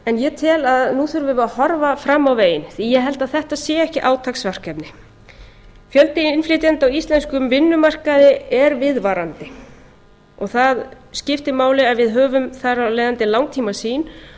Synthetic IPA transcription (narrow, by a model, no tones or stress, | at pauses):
ɛnjɛt̪ʰɪlaðnuθʏɾvɪvahɔɾvafɾamːawveːjɪnθijɛɦɛlt̪aðθɛht̪aðsɛːaɛhcɪʔaːwt̪ʰaksvar̥kɛpnɪ | fjœlt̪ɪɪnflɪt̪ɛnt̪awist̪lɛnskʏmvɪnːʏmar̥kaðɪɛɾvɪðvaːɾant̪ɪ | ɔɣθað | scɪft̪ɪmaːwlɪaðvɪðɦœːvʏmθaɾaleːjðant̪ɪlawŋt̪ʰiːmasiːn